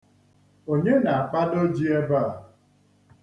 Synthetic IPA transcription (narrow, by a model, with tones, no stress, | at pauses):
o˨ɲe˦na˨a˨k͡pa˦do˦d͡ʒi˦e˦ba˦˨